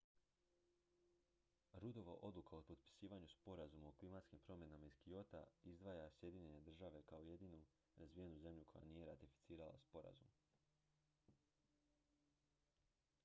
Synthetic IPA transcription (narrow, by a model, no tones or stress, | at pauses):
ɾud̪o̞ʋaʔo̞d̪lˠukaopot̪pi̥siːʋaɲuspo̞ɾazumaoklimat̪skimpɾo̞mje̞namaiskio̞t̪a̰izd̪ʋaːjasje̞d̪iɲeɲe̞d̪r̩ʒaʋe̞kao̞je̞d̪iːnu | azʋije̞nuze̞mʎukʰo̞ja̰niːje̞ɾat̪ifi̥t̪siːɾala̰spo̞ɾa̰zum